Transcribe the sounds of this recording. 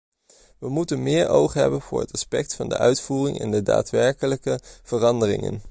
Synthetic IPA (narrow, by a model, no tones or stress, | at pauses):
ʋəmutənmɪːɹowχɦɛ̰bənvʊːɹɦətɑspɛk̚tfɑndə̰ʔœɥtfuːrɪŋɛ̰ndəda̰ːtʋɛɹkələkəv̥ərɑndərɪ̰ŋə̰n